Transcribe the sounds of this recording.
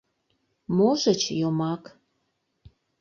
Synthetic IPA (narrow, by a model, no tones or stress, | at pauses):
moʒət͡ɕjomɑk